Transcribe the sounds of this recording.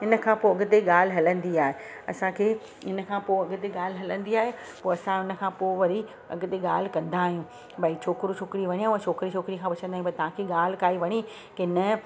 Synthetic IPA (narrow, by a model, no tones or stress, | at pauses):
ɪnə̆kʰãːpoɐɡ̆t̪eɠaːl̤ɪɦɐlə̃nd̪iaːɦe | ɐ̰sãkʰeː | ɪnə̆kʰãːpoɐɠʊt̪eɠaːlɦɐlə̃nd̪iaːɦe | poːɐsãɪnə̆kʰãːpoːʋɐɾi | ɐ̰ɡt̪eɠaːl̤̆kɐ̃nd̪aːɦijũː | bait͡ɕʰoːkɪɾut͡ɕʰoːkɪɾiʋɐɲ̃aːũɐ̃t͡ɕʰoːkɪɾit͡ɕʰoːkɾikʰãpɐt͡ɕə̃nd̪aːjũbɐt̪ɐʋ̤ãkʰeːɠaːl̤ɪkaːiʋɐɽ̃i | kenɐ